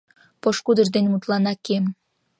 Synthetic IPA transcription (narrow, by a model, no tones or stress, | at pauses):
poʃkud̪ə̆ʒd̪enʲmut̪lɑnɑkem